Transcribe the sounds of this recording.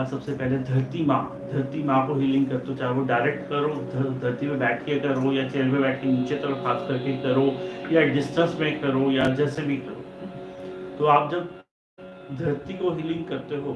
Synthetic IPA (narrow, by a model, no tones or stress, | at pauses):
sɐbsepɛɦled̪ʱɐɾt̪imãː | d̪ʱɐɾt̪imãːkoɦɪlɪ̃ŋɡ̚kɐɾt̪eɦot͡ʃaːɦeʋoɖaːɪɾek̚ʈkɐɾoːd̪ʱɐd̪ʱɐɾt̪imẽbɛːʈʰkekɐɾoːjat͡ʃeːlpẽbɛːʈ̚ʰkeniːt͡ʃet̪ɐɾəxaːskɐɾkɪkɐɾoːjaɖɪsʈə̃nsmẽkɐɾoːjad͡ʒɛːsebʱikɐɾoː | t̪oaːp̚d͡ʒɐb | d̪ʱɐɾt̪ikoɦɪlɪ̃ŋɡ̚kɐɾt̪eɦoː